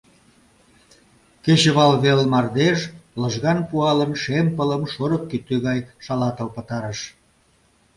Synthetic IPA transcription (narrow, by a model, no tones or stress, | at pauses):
ket͡ɕəβɑlβelmɑrd̪eʃləʒɣɑnpuɑlənʃempələmʃoɾəkːyt̪ːøɣɑjʃɑlɑt̪əlpə̆t̪ɑɾəʃ